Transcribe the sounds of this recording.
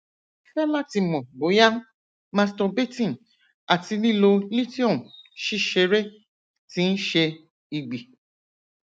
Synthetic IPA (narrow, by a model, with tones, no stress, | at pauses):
fɛ˦la˦ti˧mɔ̃˨bo˨˦ja˦ | mã˧stɔ˧be˦tĩ˦˨ | a˨ti˧nĩ˦lo˧li˦ti˦ɔ̃˦˨ʃi˦ʃe˧ɾe˦ | ti˦n̩˦ʃe˧ | i˨ɡ͡bi˨